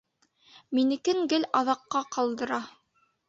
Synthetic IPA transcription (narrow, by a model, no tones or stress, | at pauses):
minɘ̆kɘŋɡɘlɑðɑqːɑqɑlˠd̪ɤ̆ɾɑ